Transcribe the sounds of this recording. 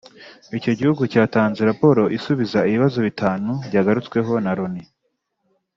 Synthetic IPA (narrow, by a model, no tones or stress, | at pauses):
ico̞ɟihuɡucaːtaːnzeɾapo̞ɾo̞ʔisuβizaiβiβazo̞βitʰaːnuɾɟaːɡaɾut͡swe̞ɦo̞naɾoni